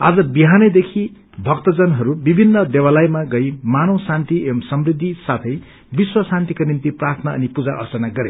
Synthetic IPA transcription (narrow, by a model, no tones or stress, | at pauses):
ad͡zʌbiɦanʌjd̪ekʰi | bʱʌkt̪ʌd͡zʌnɦʌɾubibʱinːʌd̪ewalajmaɡʌjmanowsãnt̪iemsʌmrid̪ʱːisat̪ʰʌj | biswʌsãnt̪ikonint̪iprart̪ʰʌnaʌ̰nipud͡zaʔʌ̰rt͡sʌnaɡʌɾe